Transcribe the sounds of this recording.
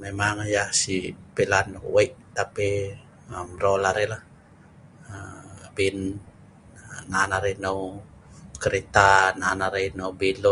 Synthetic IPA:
memaŋjahsipelanwaiʔt̪api | əmrolaɾelah | əbin | nanaɾenow | kəɾet̪ananaɾenowbilɔ

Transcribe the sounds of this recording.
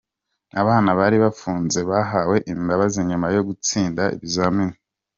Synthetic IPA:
aβaːnaβaːɾiβafuːnze̞βaɦawe̞ʔimbaβaziɲumajo̞ɡut͡siːndaʔḭβizamini

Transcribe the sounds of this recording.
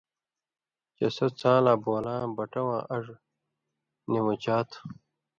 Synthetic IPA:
t͡ɕɐsɐt͡sãːlaːboːlãːbɐʈɐwã̰ːʔɐʐ | niwut͡ɕaːt̪ʰ

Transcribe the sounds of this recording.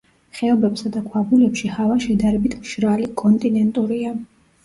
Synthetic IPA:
χɛɔbɛbsad̪akʰwabulɛpʃihavaʃɛd̪aɾɛbit̪ʰmʃɾalikʼɔnt̪ʼinɛnt̪ʼuɾia

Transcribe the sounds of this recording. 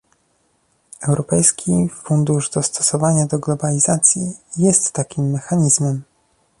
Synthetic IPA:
ɛwɾɔpɛjskʲifund̪uʐd̪ɔst̪ʰɔ̥sɔvaɲad̪ɔɡlɔbalʲizat̪sʲjijɛst̪ːakʲimːɛxaɲizmɛm

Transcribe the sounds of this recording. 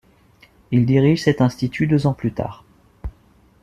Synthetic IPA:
ild̪iʁiʒsɛt̪ɛ̃st̪it̪ʰyd̪øzɑ̃plyt̪a̰ːʁ

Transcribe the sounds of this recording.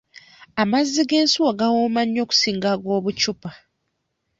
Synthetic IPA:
amazːiɡe̞ːnsuwaɡawomaɲːo̞ːku̥siːŋɡaɡwo̞ːβut͡ʃupa

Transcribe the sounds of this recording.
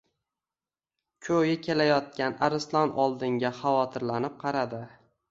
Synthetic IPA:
kʲʰɵjɪkʲʰe̞lajɒt̪̚kʲanaɾɪslˠɒnɒlˠd̪ɪŋɡʲaχavɒt̪ʰɪɾlanɪp̚qʰɑɾad̪ɪ

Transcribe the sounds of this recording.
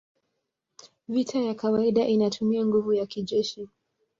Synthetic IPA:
vitʰajakawaiɗaʔinatʰumiaŋɡuvujakiʄɛʃi

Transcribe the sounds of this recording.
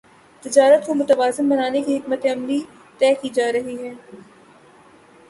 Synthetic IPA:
t̪ɪd͡ʒaːɾət̪̚komʊt̪əʋaːzɪnbɐnaːnekiɦɪkmət̪eɐmli | t̪ɛːkid͡ʒaːɾɐɦiɦɛː

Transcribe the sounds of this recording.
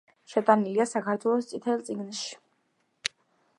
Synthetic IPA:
ʃɛt̪ʼaniliasakʰaɾt̪ʰwɛlˠɔst̪sʼit̪ʰɛlˠt̪sʼiɡnʃi̥

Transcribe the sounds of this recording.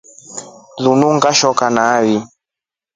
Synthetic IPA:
ðunuŋɡaʃɔkanaβi

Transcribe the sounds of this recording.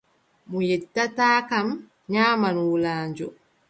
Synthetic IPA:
mujɛtːataːkam | ɲaːmanwulaːɲd͡ʒɔ

